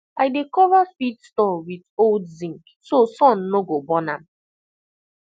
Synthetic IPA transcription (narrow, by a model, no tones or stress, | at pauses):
aɪdekɔvafitstɔwitoldzĩŋk | sosɔ̃nːoɡobɔnãm